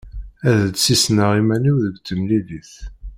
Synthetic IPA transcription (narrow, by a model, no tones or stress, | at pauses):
æðəd̪sisnəʁimæniwðəɡt͡s̪ːəmliliθ